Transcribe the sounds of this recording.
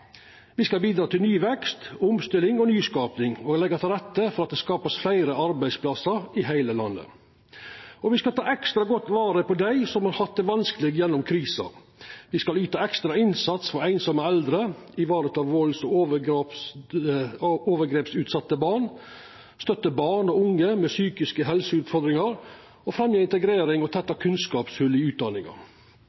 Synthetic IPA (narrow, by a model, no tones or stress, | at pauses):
ʋɪskɑlbiːd̪ɾɑːt̪ʰɪlnyːʋɛkst̪ʊmst̪ɪlɪŋɔnyːskɑːpnɪŋɔːlɛɡːɑt̪ʰɪlɾɛt̪ːəfɔɾɑt̪̚d̪ɛskɑːpəsflæɪɾəɑɾbæɪspʰlɑsəɾɪɦæɪləlɑ̰nːə̰ | ɔʋɪskɑlt̪ʰɑːɛkst̪ɾɑɡɔt̪ːʋɑːɾəpʰɔd̪æɪsɔmhɑɾhɑt̪̚d̪ɛʋɑnskəlɪːɡjɛnːʊmkʰɾiːsɑ̰ | ʋɪskɑlyːt̪ɑɛkst̪ɾɑɪnsɑt̪sfɔɾæɪnsɑməɛld̪ɾəɪʋɑːɾət̪ɑʋʋoːlsɔoːʋə | oːʋəɡɾeːpsʉːt̪sɑt̪ːəbɑːɳ | st̪œt̪ːəbɑːɳɔʊŋːəmɛːsyːkɪskəɦɛlsəʉːt̪fɔɾd̪ɾɪŋɑɾ | ɔfɾɛmjeːɪnt̪əɡɾeːɾɪŋɔt̪ʰɛt̪ːɑkʰʉnskɑːpsʉlɪʉːt̪̚d̪ɑnɪŋɑ̰